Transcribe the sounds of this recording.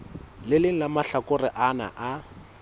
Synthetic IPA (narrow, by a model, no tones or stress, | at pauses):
lɪlɪŋ̩lamaɬakʊrɪʔana̰ʔa